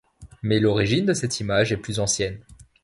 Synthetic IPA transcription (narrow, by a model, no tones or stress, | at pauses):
mɛlɔʁiʒind̪əsɛt̪ʰimaʒɛplyzɑ̃sjɛn